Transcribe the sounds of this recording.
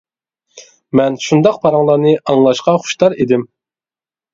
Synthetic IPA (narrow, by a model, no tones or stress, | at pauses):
mɛnʃund̪ɑq̚pʰɑɾɑŋlˠɑɾnɨʔɑŋlˠɑʃqɑχʊ̥ʃt̪ɑɾed̪ɪm